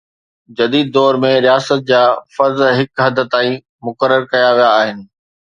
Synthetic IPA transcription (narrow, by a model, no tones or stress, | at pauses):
d͡ʑɐd̪iːd̪̚ːɔːɾmẽɾijaːsət̪̚d͡ʑaːfɐɾzɦɪkɦɐd̪ʱət̪aːĩ | mʊkəɾːəɾkɐjaʋijaːɦɪnɪ̆